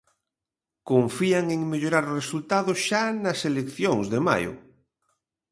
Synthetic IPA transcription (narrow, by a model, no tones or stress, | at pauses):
koɱfiaŋeŋmeʎoɾaɾresult̪aðosʃanɐselekθjoŋzðema̰jʊ̰